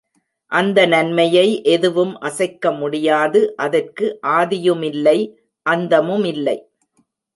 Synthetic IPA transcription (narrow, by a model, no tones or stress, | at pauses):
ʔɐnd̪ɐnɐnmɐjɐɪʔɛðɯʋɯmʔɐsɐɪkːɐmʊɽɪjaːðɯʔɐðɐrkɯʔaːðɪjɯmɪlːɐɪ | ʔɐnd̪ɐmɯmɪlːɐɪ